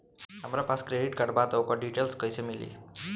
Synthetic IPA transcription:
ɦamɾapaskɾeɖiʈɡaʈbat̪ʌwkaɖiʈelskʌjsʌmilḭ

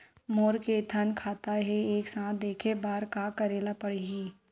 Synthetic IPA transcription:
moːɾket̪ʰɐnkʰaːt̪aɦɛeːksãːt̪d̪eːkʰebaːɾkakɐɾeːlapɐɽiɡiː

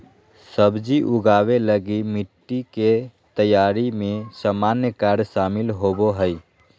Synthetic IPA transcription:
səbd͡ʒiʔuɡabeləɡimiʈːiket̪əjaɾimẽsamanjəkaɾsamilɦoboɦəj

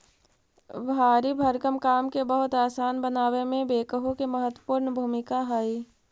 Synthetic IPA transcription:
bʱaːɾibʱəɾkəmkaːmkebəɦʊt̪aːsaːnbənaːwemẽbeːkəɦõkeməɦət̪wəpuːɾnbʱuːmɪkaɦaːi

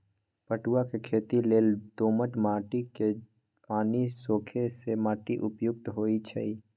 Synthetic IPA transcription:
pəʈuwakekʰeːt̪ileːld̪oːməʈmaːʈike | paːnisoːkʰesemaːʈiʔʊpjʊk̚t̪ɦoːit͡ʃʰɛ̰i

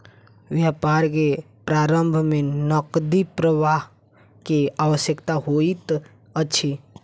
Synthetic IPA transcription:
ʋjapaɾk̬e | pɾaɾəmbʱmẽnəkd̪ipɾəʋaɦ | keaʋəsjəkt̪aɦoit̪ | ət͡ʃʰi

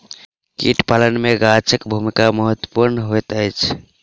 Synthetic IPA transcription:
kḭʈpalənmeɡat͡ʃʰəkbʱumikaməɦət̪wə̥puɾnɦot̪əjt͡ʃʰ

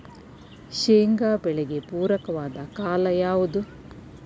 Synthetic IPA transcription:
ʃeːŋɡaːbɛɭeɡe̞puːɾɐkɐʋaːd̪ɐkaːlɐjaːʋud̪u

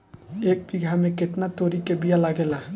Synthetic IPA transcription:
eːk̚biɡʱamẽkɪt̪nat̪oːɾikebijalaɡela

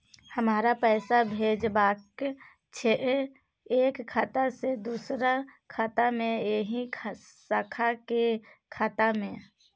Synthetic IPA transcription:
həmaːɾapɛːsabʱeːd͡ʒbaːk | t͡ʃʰeʔ | eːkʰːaːt̪ased̪uːsɾakʰaːt̪amẽeɦikʰsakʰakekʰaːt̪amẽ

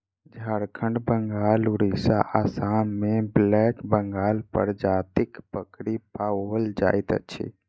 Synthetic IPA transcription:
d͡ʒʱaɾkʰəɳɖbəŋɡaːluɾisaʔasammeblɛkbəŋɡaːlpə̰ɾd͡ʒat̪ikpəkɽipaəld͡ʒa̰jt̪ət͡ʃʰḭ

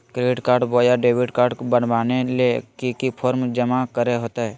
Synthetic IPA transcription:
kɾeːʈkaːɾɖbojaɖeːbɪʈkaːɾɖkobənbaːnelekikipʰoːɾmd͡ʒəmakəɾeɦoːt̪aɦɛː

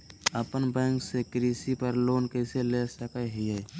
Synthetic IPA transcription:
əpənbɛ̃ːŋksekɾiːsipəɾloːnkəselesəkəɦiə

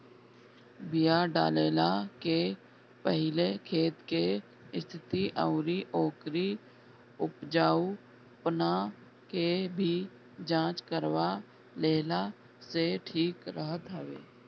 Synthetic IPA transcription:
bijaɖa̰ːleːlake | pəɦɪlekʰeːt̪ke | ɪst̪ʰɪt̪iʔəʊɾiʔoːkɾi | ʊpd͡ʒaːu | pəna | kebʱi | d͡ʒãːt͡ʃkəɾwa | leːla | seʈʰiːkɾəɦət̪ɦəʋḛː

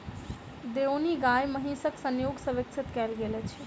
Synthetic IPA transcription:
d̪eoniɡajməɦĩsəksənjoːɡsəʋɪkt͡ʃʰɪt̪kɛlɡelɛt͡ʃʰ

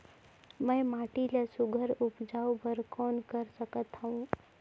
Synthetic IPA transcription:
məjmaʈilasuɡʱəɾupd͡zawbəɾkɔnkəɾsəkət̪ɦaũ

